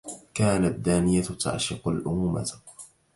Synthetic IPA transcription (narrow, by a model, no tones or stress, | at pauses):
kaːnad̪ːaːnɪjat̪ʰa̰ʕʃɪqalʔʊmuːma̰